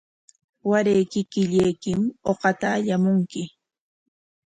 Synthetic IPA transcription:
waɾejkɪkɪʎejkɪmoqɑt̪aːʎamʊŋkɪ

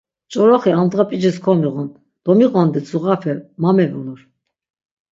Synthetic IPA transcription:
t͡ʃʼɔɾɔχiand̪ʁapʼid͡ʒɛskʰɔmiɣɔn | d̪̥ɔmiɣɔnd̪ɛt͡sʼuʁafʰɛmamɛvulɔɾ

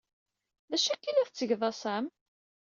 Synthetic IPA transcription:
ðæʃækːilæθt͡sːəʝðˤɑsæm

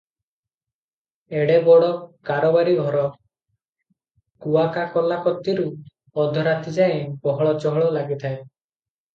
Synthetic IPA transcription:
eɽebɔɽɔkaɾɔbaɾiɡʱɔɾɔ | kuakakɔlakɔt̪ːiɾu | ɔd̪ʱɔɾat̪id͡ʒaẽbɔɦɔɭɔt͡ʃɔɦɔɭɔlaɡit̪ʰae

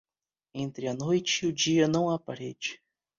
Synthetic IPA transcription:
ẽnt̪ɾɪɐnojt͡ʃɪʊd͡ʒiɐnɐ̃w̃apaɾɛd͡ʒɪ̥

